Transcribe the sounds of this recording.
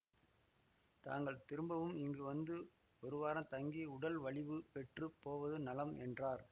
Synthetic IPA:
t̪a̰ːŋɡɐɭt̪ɪɾɯmbɐʋɯmɪŋɡɯʋɐnd̪ɯ | ɔɾɯʋaːɾɐmt̪ɐŋɡiʊɽɐlʋɐɭɪʋɯpɛʈrɯpːoːʋɐðɯnɐlɐmɛ̰ndraːɾ

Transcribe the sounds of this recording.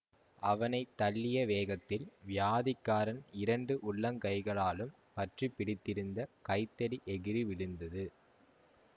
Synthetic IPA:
ɐʋɐnɐɪt̪ːɐlːɪjɐʋeːɣɐt̪ːɪlʋɪjaːðɪkːaːɾɐnɪɾɐɳɖɯʔʊɭːɐŋkɐɪɣɐɭaːlɯm | pɐʈripːɪɽɪt̪ːɪɾɯnd̪ɐkɐɪt̪ːɐɽiʔɛɣɪɾiʋɪɭɯnd̪ɐðɯ

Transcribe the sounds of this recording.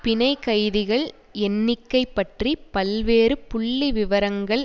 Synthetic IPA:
pɪnɐɪkɐɪðɪɣɐɭ | ɛnːɪkːɐɪpːɐʈripɐlʋeːɾɯpʊɭːiʋɪʋɐɾɐŋɡɐɭ

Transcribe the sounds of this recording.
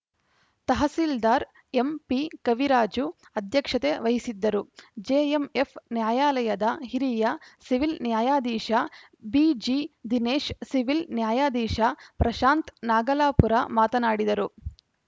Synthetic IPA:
t̪ɐɦɐsiːld̪aːɾ | empikɐʋiɾaːd͡ʒu | ɐd̪ʱjɐkʂɐt̪eʋɐɦisid̪ːɐɾud͡ʒeːemepʰnjaːjaːlɐjɐd̪ɐɦiɾiːjɐsiʋilnjaːjaːd̪iːʃɐ | bid͡ʒiːd̪ineːʃsiʋilnjaːjaːd̪iːʃɐpɾɐʃaːnt̪naːɡɐlaːpuɾamaːt̪ɐnaːɽid̪ɐɾu

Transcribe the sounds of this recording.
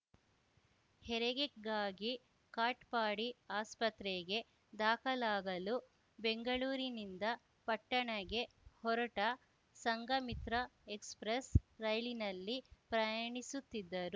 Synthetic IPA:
hɛɾɛɡeɡaːɡi | kaːʈpaːɽiaːspɐt̪ɾeɡe̞ | d̪aːkʰɐlaːɡɐlu | beŋɡɐɭuːɾinind̪ɐ | pɐʈːɐɳɐɡe̞ | hɔɾɐʈɐ | sɐŋɡɐmit̪ɾɐekspɾesɾɐjlinɐlːipɾɐjɐɳisut̪ːid̪ːɐɾu

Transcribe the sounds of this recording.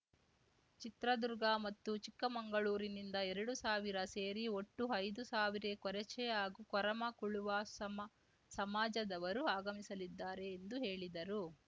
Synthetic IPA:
t͡ʃit̪ɾɐd̪uɾɡamɐt̪ːut͡ʃikːɐmɐŋɡɐɭuːɾinind̪ɐɛɾɐɽusaːʋiɾɐse̞ːɾioʈːuɐjd̪usaːʋiɾekɔɾɛt͡ʃɛjaːɡukɔɾɐmɐkuɭuʋɐsɐm | sɐmaːd͡ʒɐd̪ɐʋɐɾuaːɡɐmisɐlid̪ːaːɾe̞ːnd̪uɦe̞ːɭid̪ɐɾu

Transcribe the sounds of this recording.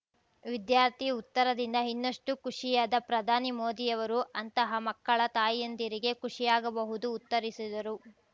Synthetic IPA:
ʋid̪jaːɾt̪ʰiut̪ːɐɾɐd̪ind̪ɐɦinːɐʂʈukuʂijaːd̪ɐpɾɐd̪ʱaːnimoːd̪ijɐʋɐɾuʔɐnt̪ɐɦɐmɐkːɐɭɐt̪aːjɐnd̪iɾiɡe̞kuʂijaːɡɐbɐɦud̪uːt̪ːɐɾisid̪ɐɾu

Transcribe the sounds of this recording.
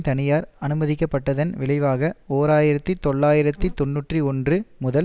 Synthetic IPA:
t̪ɐnɪjaːɾɐnɯmɐðɪk̬ːɐpːɐʈːɐðɐnʋɪɭɐɪʋaːɣɐoːɾaːjɪɾɐt̪ːɯt̪ːɔɭːaːjɪɾɐt̪ːit̪ɔnːuːʈriɔndrɯmʊðɐ

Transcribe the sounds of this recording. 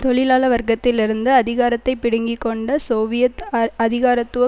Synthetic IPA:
t̪ɔɭɪlaːlɐʋɐɾɡɐt̪ːɪlɪɾɯnd̪ɯɐðɪɣaːɾɐt̪ːɐɪpːɪɽɐŋɡɪkːɔɳɖɐsoːʋɪjɐt̪ɐðɪɣaːɾɐt̪ːɯʋɐ

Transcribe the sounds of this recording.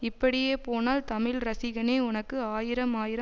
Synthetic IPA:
ɪpːɐɽɪjeːpoːnaːlt̪ɐmɪlɾɐsɪɣɐneːʊnɐkːɯaːjɪɾɐmaːjɪɾɐ

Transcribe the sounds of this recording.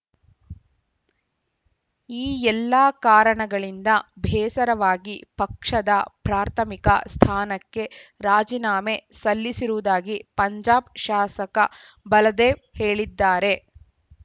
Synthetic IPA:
iːɛlːaːkaːɾɐɳɐɡɐɭind̪ɐbʱɛːsɐɾɐʋaːɡipɐkʂɐd̪ɐpɾaːɾt̪ʰɐmikɐ̰st̪ʰaːnɐkːe̞ɾaːd͡ʒinaːme̞sɐlːisiɾud̪aːɡipɐɲd͡ʒaːb̚ʃaːsɐkɐ | bɐlɐd̪eːʋheːɭid̪ːaːɾe̞

